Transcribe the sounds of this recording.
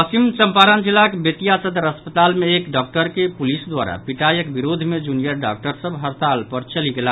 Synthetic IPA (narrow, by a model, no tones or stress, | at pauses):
əsimt͡ʃəmpaɾənd͡ʒilːakebət̪ijasəd̪ɾəspət̪almeːkɖɔk̚ʈəɾkepulisd̪waɾa̰piʈajəkbiɾod̪ʱmed͡ʒunijəɾɖa̰k̚ʈəɾsəbɦəɾt̪alpəɾt͡ʃəliɡela